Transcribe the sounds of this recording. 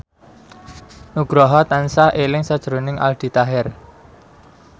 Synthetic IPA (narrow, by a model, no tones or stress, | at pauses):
nuɡ̥ɾɔɦɔt̪ansaʔelɪŋsad̥ʒ̥əɾonɪŋʔa̰ld̪̥i̤t̪aɦɛr